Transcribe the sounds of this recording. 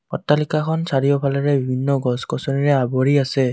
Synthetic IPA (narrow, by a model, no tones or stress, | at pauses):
ɔ̰tːalikakʰɔnsaɹijɔpʰalaɹɛbibʱinːɔɡɔskɔsɔniɹɛabɔɹiasɛ